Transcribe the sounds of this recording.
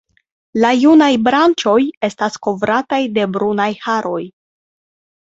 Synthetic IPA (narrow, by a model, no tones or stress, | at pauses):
lajunajbɾant͡ʃo̞je̞stasko̞vɾatajde̞bɾunajhaɾʔo̞j